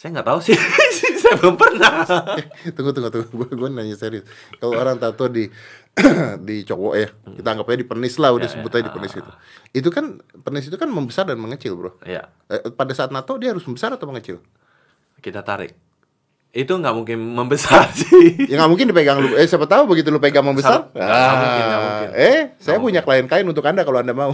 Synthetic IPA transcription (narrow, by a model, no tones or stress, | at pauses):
sajaŋɡaʔt̪ausɪsɪsajapəpərna | t̪əŋɡut̪uŋɡut̪uɡɡuaɡuaninaɲaseɾiʊs | kalooɾaŋt̪at̪ɔdi | dit͡ʃowɔʔjakit̪aːŋɡapajadipənɪslaudasəbʊt̪aɲadipənɪsit̪uit̪ukanpənɪsit̪ukanməmbəsardanməŋət͡ʃɪlbɾʊhja̰ | əpadasaːt̪nat̪odiahaɾʊsməmbəsaɾat̪awməŋət͡ʃɪ̰l | kit̪at̪aɾɪ̰k̚ | it̪uŋɡaʔmuŋkɪnməmbəsarsɪŋɡaʔmuŋkɪndipeɡaŋluəsajapət̪aubəɡit̪̬ulupeɡaŋməmbəsaraaɛsajapuɲakəlaɪnkaɪnunt̪̬ʊkandakaloandamau